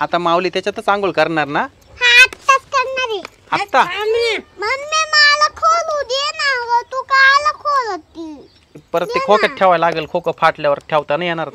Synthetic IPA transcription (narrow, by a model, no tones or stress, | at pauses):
at̪ãmaʋliːt̪jat͡ɕat̪ət͡sãŋɡuːɭkəɾɳaɾna | haʈ̪saskəɾɳaɾe | at̪ːammənmemalakʰolud̪enaʋət̪ukalakʰolot̪ːi | pəɾəikʰokət̪ʰɛʋajlaɡəlkʰokəfʰaʈljaʋəɾʈʰjaʋt̪anajɛɽ̃aɾt̪